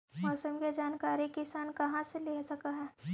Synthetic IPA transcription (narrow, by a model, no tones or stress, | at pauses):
mɔːsəmked͡ʒaːnkaːɾikɪsaːnkɐɦãseleːsɐkaɦɛː